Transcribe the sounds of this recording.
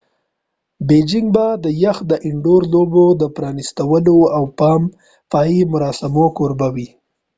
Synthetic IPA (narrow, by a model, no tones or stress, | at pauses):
bed͡ʒɪŋɡ̚bad̪əjaxd̪əʔɪɳɖoɾlobod̪əpɾɑnist̪awəloawpɑm | fɑimʊɾɑsɪmokoɾbawi